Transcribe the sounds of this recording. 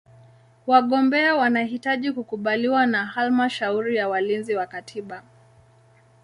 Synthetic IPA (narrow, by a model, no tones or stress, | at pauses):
waɠɔmbɛawanaɦitaʄikukuɓaliwanaɦalmaʃauɾijawalinziwakatʰiɓa